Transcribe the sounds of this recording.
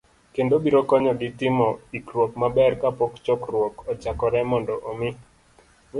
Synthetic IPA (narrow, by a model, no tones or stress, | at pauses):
kendobiɾɔkɔɲɔɡɪtɪmɔikɾwokmabɛrkapɔkt͡ʃɔkrwɔkɔt͡ʃakɔɾɛmɔndɔʔomɪ